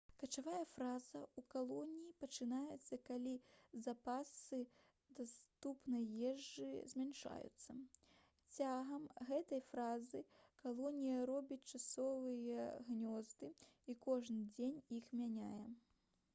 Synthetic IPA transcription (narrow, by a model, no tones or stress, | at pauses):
kɐt͡ʂavajɛfɾaz̥ɐukalˠɔnʲijipɐt͡ʂɨnajɛt̪sːɐkalʲizapasɨ | d̪ast̪upnɐjːɛʐːɨzʲmʲanʂa̰jṵt̪sːɐ | t͡sʲaɣɐmɣɛt̪ɐjfɾazɨkalˠɔnʲijɐɾɔbʲit͡sʲt͡ʂasɔvɨjɛɣnʲɔzd̪ɨikɔʐnɨd͡zʲenʲixmʲanʲajɛ